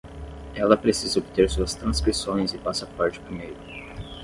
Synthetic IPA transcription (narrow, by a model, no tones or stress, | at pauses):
ɛlɐpɾesizɐobit̪eɾsuɐst̪ɾɐ̃skɾisõj̃zɪpasɐpaɾt͡ʃɪʊ̥pɾimejɾʊ